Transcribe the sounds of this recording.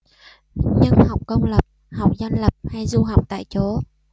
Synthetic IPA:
ɲə˧nha˨˩wk͡p̚kə˧wŋ͡mlə˨˩p̚ | ha˨˩wk͡p̚za˧jnlə˨˩p̚ha˧jzu˧ɦa˨˩wk͡p̚t̪a̰ː˧˨jt͡ɕo˨˦

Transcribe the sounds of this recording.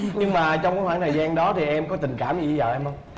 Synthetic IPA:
ɲɨ˧ŋmaː˨˩t͡ɕɔ˧wŋ͡mkːkwaː˧˥˦nt̪ʰə˨˩jzaː˧nɗɔ˨˦t̪ʰi˨˩ʔɛ˧mkɔ˨˦t̪ï˨˩ŋ̟kaː˧˩mɲɨ˧˩i˧˦zə̰ː˨˩ʔɛ˧mhə˧wŋ͡m

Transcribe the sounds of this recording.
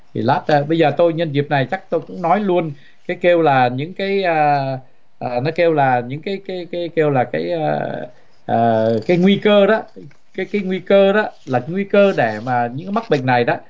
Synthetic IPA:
t̪ʰḭ˨˩laː˦˥t̚ːɓə˧jzəː˨˩t̪o˧jɲə˧nzi˨˩əp̚na˨˩jt͡ɕa˦˥k̚t̪o˧jkʊ̰˧˥ŋ͡mnɔ˨˦jlu˧ən | kaː˨˦jke˧wlaː˨˩ɲɨ̰˧˥ŋkaː˨˦jəː˧ | ʔəː˨˩nɔ˨˦ke˧wlaː˨˩ɲɨ̰˧˥ŋkaː˨˦jkaː˨˦jkaː˨˦jke˧wlaː˨˩kaː˨˦ja˧˩ | ʔəː˨˩kaː˨˦jŋwi˧kəː˧ɗɔ˨˦ | kaː˨˦jkaː˨˦jŋwi˧kəː˧ɗɔ˨˦laː˨˩kŋwi˧kəː˧ɗe˧˩maː˨˩ɲɨ̰˧˥ŋka˨˦ma˦˥k̚ɓḭ˧˨ŋ̟na˨˩jɗɔ˨˦˥

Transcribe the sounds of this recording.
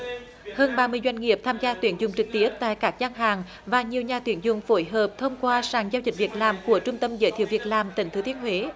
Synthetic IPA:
həː˧nɓaː˧mɨ˧əjzwa˧jŋ̟ŋi˨˩əp̚t̪ʰaː˧mzaː˧t̪wi˨˧˦ənzʊ˨˩ŋ͡mt͡ɕɨ˨˩k̚t̪i˦˥əp̚t̪a̰ː˧˨jkaː˦˥k̚zaː˧ŋɦaː˨˩ŋ | vaː˨˩ɲi˨˩əwɲaː˨˩t̪wi˨˧˦ənzʊ˨˧˩ŋ͡mfo˧˦jɦəː˨˩p̚t̪ʰə˧wŋ͡mkwaː˧saː˨˩ŋzaː˧wzi̟˨˩vi˨˩ət̚laː˨˩mku˧˩ət͡ɕʊ˧ŋ͡mt̪ə˧mzə̰ː˧˦jt̪ʰi˧˨əwvi˨˩ət̚laː˨˩mt̪ï˨˧˩ŋ̟t̪ɨ˨˦t̪ʰi˧˦ənhɦwe˨˦

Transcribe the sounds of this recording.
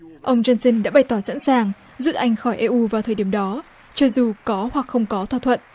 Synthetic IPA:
ʔə˧wŋ͡mt͡ɕə˧nsi˧nɗa̰ː˧˥ɓa˧˩jt̪ɔ˧˩sa̰˧˥nsaː˨˩ŋ | zu˦˥t̚ʔa˧jŋ̟xɔ˧˩jʔɛ˧ʔu˧vaː˨˩t̪ʰəː˨˧˩ɗi˧˩əmɗɔ˨˦ | t͡ɕɔ˧zu˨˩kɔ˨˦hwa˨˩k̚xə˧wŋ͡mkɔ˨˦t̪ʰwa˧˩t̪ʰwə̰˧˨nʔ

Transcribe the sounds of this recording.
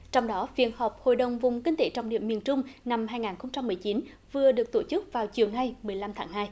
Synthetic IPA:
t͡ɕɔ˧wŋ͡mɗɔ˨˦vḭ˧˨ənhɔ˨˩wk͡p̚ho̰˧˨jɗə˨˩wŋ͡mvʊ˨˩ŋ͡mkï˧ŋ̟t̪e˧˨˦t͡ɕɔ˨˧˩wŋ͡mɗḭ˧˨əmi˨˩ənt͡ɕʊ˧ŋ͡mna˧mɦaː˧jŋaː˨˩nxə˧ŋ͡mt͡ɕa˧mːɨ˨˩əjt͡ɕi˨˦n | vɨ˨˩əɗɨ˨˩ək̚t̪o˧˩t͡ɕɨ˦˥k̚vaː˨˩wt͡ɕi˨˩əwna˧jmɨ˨˩əjla˧mt̪ʰaː˨˦ŋhɦaː˧j

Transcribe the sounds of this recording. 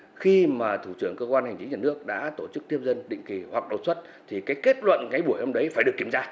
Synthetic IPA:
xi˧maː˨˩t̪ʰu˧˩t͡ɕɨ˧˩əŋkəː˧kwaː˧nha˨˩jŋt͡ɕï˨˦ŋɲaː˨˩nɨ˦˥ək̚ɗa̰ː˧˥t̪o˧˩t͡ɕɨ˦˥k̚t̪ʰi˧əmzə˧nɗḭ̈˧˨ŋ̟ki˨˩hwa˨˩k̚ɗo˨˩t̚swə˦˥t̚ | t̪ʰi˨˩kaː˨˦jke˦˥t̚lwə̰˧˨nŋa˨˦jɓu˧˩əjho˧ŋ͡mɗə˨˦jfaː˧˩jɗəkːi˧˩əmzaː˧

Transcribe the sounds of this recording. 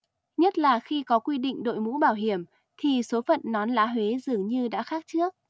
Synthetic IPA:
ɲə˦˥t̚laː˨˩xi˧kɔ˨˦kwi˧ɗḭ˧˨ŋ̟ɗo̰˧˨jmṵ˧˥ɓaː˧˩wɦi˧˩əm | t̪ʰi˨˩so˨˦fə̰˧˨nːɔ˨˦nla̰ː˧˥ɦwe˨˦zɨ˨˩əŋɲɨ˧ɗa̰ː˧˥xaː˦˥k̚t͡ɕɨ˦˥ək̚

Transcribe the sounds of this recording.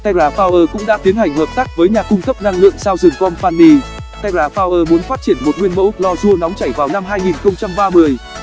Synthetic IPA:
t̪ʰa˧jzaː˧˩faː˧wʔəː˧˩kʊ̰˧˥ŋ͡mɗa̰ː˧˥t̪i˨˦ənhɦa˨˩jŋ̟həː˨˩p̚t̪aː˦˥k̚vəː˨˦jɲaː˨˩kʊ˧ŋ͡mkə˦˥p̚na˧ŋlɨ̰˧˨əŋsaː˧wzɨ˨˩ŋkɔ˧nfaː˧nli˧t̪ʰa˧jzaː˧˩faː˧wʔəː˧mu˨˦ənfaː˦˥t̚t͡ɕi˧˩ənmo˨˩t̚ŋwi˧ənmo̰˧˥wlɔ˧zu˧ənɔ˨˦wŋ͡mt͡ɕa˧˩jvaː˨˩wna˧mɦaː˧jŋi˨˩nxə˧wŋ͡mt͡ɕa˧mɓaː˧mɨ˧˩əj

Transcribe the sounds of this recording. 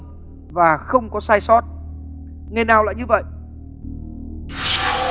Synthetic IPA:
vaː˨˩xə˧wŋ͡mkɔ˨˦saː˧jsɔ˦˥t̚ | ŋa˧˩jnaː˨˩wla̰ː˧˨jɲɨ˧və̰˧˨jʔ

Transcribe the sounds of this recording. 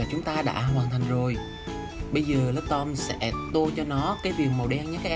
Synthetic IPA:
t͡ɕʊ˨˦ŋ͡mt̪aː˧ɗa̰ː˧˥ɦwaː˨˩nt̪ʰa˨˩jŋ̟zo˨˩j | ɓə˧jzəː˨˩lə˦˥p̚t̪ɔ˧msɛ̰˧˥t̪o˧t͡ɕɔ˧nɔ˨˦kaː˨˦jvi˨˩ək̚mo˨˩wɗɛ˧ŋɲa˧˦˥kaː˦k̚

